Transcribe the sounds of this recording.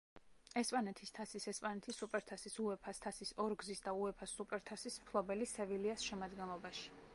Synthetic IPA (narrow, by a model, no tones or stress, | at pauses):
ɛspʼanɛt̪ʰist̪ʰasisɛspʼanɛt̪ʰisːupʼɛɾt̪ʰasisuɛpʰast̪ʰasisɔɾɡzisd̪auɛpʰasːupʼɛɾt̪ʰasismpʰlˠɔbɛlisɛviliasʃɛmad̪ɡɛnlˠɔbaʃi̥